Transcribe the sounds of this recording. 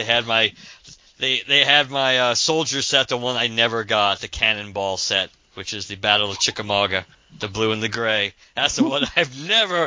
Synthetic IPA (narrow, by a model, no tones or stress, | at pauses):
eɪɨd̚maɪ | ðeɪðeɪɨd̚maɪʌsoʊlˠd͡ʒə̥˞sɛt̪̚ðəwʌ̃naɪnɛvə˞ɡɑt̪̚ðɨkʰænɨ̃nbɔlˠsɛt̚ | wɨt͡ʃɨzðɨbæɾl̩ˠʌv̥t͡ʃʰɪkɨmɑɡɨ | ðɨbluə̃nðɨɡɹeɪ | ðætsʌwʌɾaɪvnɛvə˞